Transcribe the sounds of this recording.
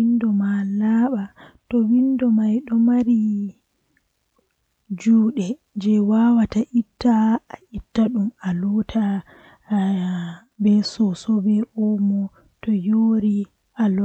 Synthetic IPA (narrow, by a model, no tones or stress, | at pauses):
indɔmalaːɓatɔwindɔmajɗɔmaɾi | d͡ʒuːɗɛ | d͡ʒɛwawataʔitːaːʔitːaɗumalɔtʰa | bɛsɔsɔbɛʔɔmɔ | tɔjoːɾi | ʔal